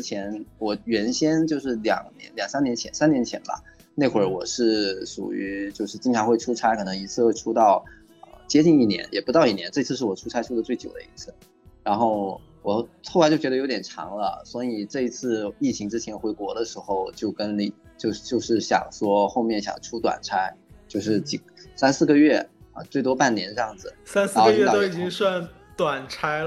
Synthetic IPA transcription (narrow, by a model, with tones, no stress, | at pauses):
ɻ̩˥t͡ɕʰjɛ˧˥nwɔ˨˩ɥɛ˧˥nɕjɛ˥nt͡ɕjo˥˧ʊʂɻ̩˥˩ljɑ̰˨˩ŋnjɛ̰˧˥nljɑ˨˩ŋsa˥njɛ˧˥nt͡ɕʰjɛ˧˥nsa˥njɛ˧˥nt͡ɕʰjɛ̰˧˥nbɐ̰˧ | ne˥˩ɪxwə˞˥˩wɔ˨˩ʂɻ̩˥˩ʂṵ˨˩y˧˥t͡ɕjo˥˧ʊʂɻ̩˥˩t͡ɕi˥ŋʈ͡ʂʰɑ˧˥ŋxwe˥˩ɪʈ͡ʂʰu˥ʈ͡ʂʰa˥ɪkʰɤ˨˩nɤ˧˥ŋi˧˥t͡sʰɹ̩˥˧xwe˥˩ɪʈ͡ʂʰu˥t̪ɑ˥˩ʊ | ə̰˧t͡ɕjɛ˥t͡ɕi˥˧ŋi˥˩njɛ̰˧˥njɛ˨˩pu˧˥t̪ɑ˥˧ʊi˥˩njɛ˧˥nʈ͡ʂɤ˥˩i˧˥t͡sʰɹ̩˥˧ʂɻ̩˥˩wɔ˨˩ʈ͡ʂʰu˥ʈ͡ʂʰa˥ɪʈ͡ʂʰu˥d̪ə˩t͡swe˥˩ɪt͡ɕjo˨˩ʊd̪ə̰˦i˧˥t͡sʰɹ̩˥˩ | ɻa˧˥nxo˥˩ʊ | wɔ˨˩xʰo˥˩lt͡ɕo˥˩ʊt͡ɕɥdə˧jo˧˥ʊt̪jɛ˨˩nʈ͡ʂʰɑ̰˧˥ŋlə̰˧swɔ˧˥i˨˩ʈ͡ʂɤ˥˩i˧˥t͡sʰɹ̩˥˧i˥˩t͡ɕʰi˧˥ŋʈ͡ʂɻ̩˥t͡ɕʰjɛ˧˥nxwe˧˥ɪkwɔ˧˥d̪ə˧ʂɻ̩˧˥xo˥˧ʊwɔ˨˩t͡ɕjo˥˩ʊkə˥nli˨˩t͡ɕjo˥˧ʊt͡ɕjo˥˧ʊʂɻ̩˥˩ɕjɑ̰˨˩ŋʂwɔ˥xo˥˧ʊmjɛ˥˩nɕjɑ̰˨˩ŋʈ͡ʂʰu˥t̪wa̰˨˩nʈ͡ʂʰa˥ɪt͡ɕjo˥˧ʊʂɻ̩˥˩t͡ɕi˨˩sa˥nsɹ̩˥˩ɡə˩ɥɛ˥˩ə̰˧t͡swe˥˩ɪt̪wɔ˥pa˥˩nnjɛ˧˥nʈ͡ʂɤ˧jɑ˥˩ŋd͡zɹ̩˩sa˥nsɹɡi˧˥ɑ˨o˥ʊ˥i˨˩i˥ŋswa˥˩n | t̪wa˨˩nʈ͡ʂʰa˥ɪ